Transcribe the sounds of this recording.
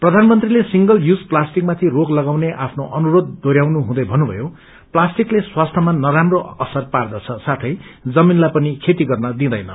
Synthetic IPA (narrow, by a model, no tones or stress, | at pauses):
prʌd̪ʱanmʌnt̪rilesiŋɡʌljud͡zplasʈik̚mat̪ʰiroklʌɡawneʔapʰnoʔʌnuɾod̪ːoɾjawnuɦũd̪ʌjbʱʌnːubʱʌ̰jo | plasʈikleswast̪ʰʌmanʌɾamroʌsʌrpard̪ʌt͡sʰʌsat̪ʰʌjd͡zʌminlajpʌnikʰet̪iɡʌrnʌd̪ĩd̪ʌjnʌ̰